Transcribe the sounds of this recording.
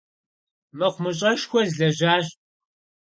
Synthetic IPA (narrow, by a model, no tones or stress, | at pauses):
mɨχʷmɨɕʼɐʃxʷɔzɮɐʒaːɕ